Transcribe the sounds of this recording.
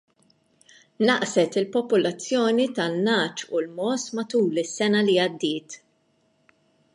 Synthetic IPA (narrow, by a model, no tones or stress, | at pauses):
nɐʔsɛt̪ɪlpɔpʊlɐt͡sːjɔːnit̪ɐlnɐːt͡ʃulmɔsmɐt̪uːlɪsːɛnɐliɐd̪ːɪːt̪